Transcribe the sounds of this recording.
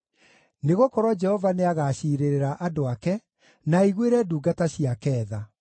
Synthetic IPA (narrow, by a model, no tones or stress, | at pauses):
neɣokɔɾwad͡ʒɛhɔvaneaɣaɕiːɾeɾeɾaʔadoakɛ | naiɣweɾɛduːɡataɕiakɛːða